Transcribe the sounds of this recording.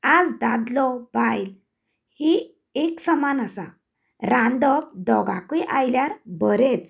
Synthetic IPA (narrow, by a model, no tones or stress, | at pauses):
ad͡zd̪ad̪lɔbajl | hi | eksəmanasa̰ | ɾãnd̪ɔb̚d̪ɔɡa̰kiʔajljaɾbəɾet͡s